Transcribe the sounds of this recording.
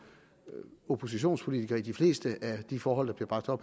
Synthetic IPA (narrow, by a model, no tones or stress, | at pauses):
opʰo̝s̬iɕo̝̰ːnspʰo̝lit͡sʰiɡ̥ɐːid̥ifle̝̰ːsd̥əæd̥ifɒːɦɒ̽l̰d̥ɑ̈b̥liɐb̥ɑ̈ɡ̥̚d̥ɒ̽b̥